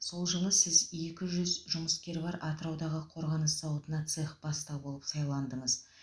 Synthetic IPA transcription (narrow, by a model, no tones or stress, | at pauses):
so̞lˠʒəlˠəsɪze̞kʲɪʒʏzʒʊməskʲe̞ɾbɑɾɑt̪əɾɑwd̪ɑʁəqʰo̞ɾʁɑnəsːɑwət̪ənɑt̪seχb̥ɑst̪ɑbolˠəpsɑjlˠɑnd̪əɴəz